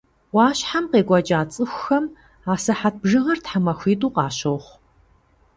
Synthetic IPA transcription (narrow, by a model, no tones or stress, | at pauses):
wɑːɕħamqeːɡʷʼɐd͡ʒʼaːt͡sʼɨxʷxɐm | aːsɐħat̚ʰbʒɨʁɐrtħamɐxʷiːtʼuːqɑːɕowχʷ